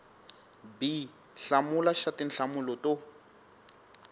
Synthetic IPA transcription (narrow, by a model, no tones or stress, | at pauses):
bi | ɬamulaʃatin̩ɬamulɔto